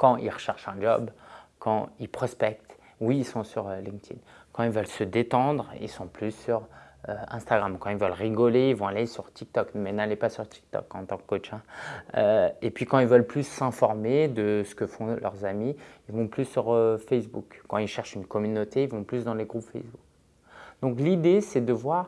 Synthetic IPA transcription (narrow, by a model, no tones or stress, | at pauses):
kɑ̃ḭlʁəʃɛʁʃɛ̃ʒɔ̰bkɑ̃ilpχɔspɛk̚t̪ | wiːlsɔ̃syʁlĩŋkt̪ʰḭnkɑ̃ilvœlsəd̪et̪ɑ̃d̪ʁḭlsɔ̃plysːyʁøɛ̰̃st̪aɡʁamkɑ̃ilvœlʁiɡɔleilvɔ̃alesyʁt̪ik̚t̪ɔkmɛnalepasyʁt̪ʰi̥k̚t̪ɔ̰kɑ̃t̪ɑ̃kːot͡ʃɛ̃øepɥikɑ̃ilvœlplysːɛ̃fɔʁmed̪əsə̥kəfɔ̃lʔœ̰ʁzamiilvɔ̃plysːyʁfɛsbukːɑ̰̃ilʃɛʁʃynkɔmynot̪eilvɔ̃plysd̪ɑ̃leɡʁupfɛ̰sbuk | d̪̥ɔ̃k̬lid̪esɛd̪əvwaʁ